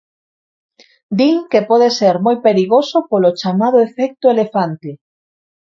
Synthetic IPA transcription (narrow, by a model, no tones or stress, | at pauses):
d̪iŋkepɔð̞eseɾmojpeɾiɣosopolot͡ʃamað̞oefɛk̚t̪oelefant̪e